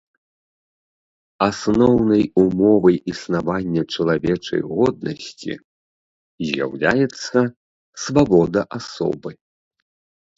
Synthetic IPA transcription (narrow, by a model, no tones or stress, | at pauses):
asnɔwnɐjumɔvɐjisnavanʲːɐt͡ʂɐlˠavʲɛt͡ʂɐ̰jɣɔd̪̚nɐsʲt͡sʲḭ | zʲja̰wlʲajɛt̪sːɐ | svabɔd̪ɐʔasɔ̰bɨ